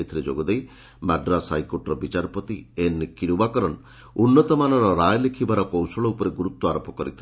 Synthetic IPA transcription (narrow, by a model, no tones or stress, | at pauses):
t̪ʰiled͡ʒo̰ɡɔd̪ej | maɖɾasajkoʈɾɔbit͡ʃaɾɔpɔt̪ienikiɾubakɔɾɔn | unːɔt̪ɔmanɔɾɔɾajlekʰibaɾɔkɔwsɔɭɔupɔɾeɡuɾut̪ːwɔaɾɔpɔkɔɾit̪ʰile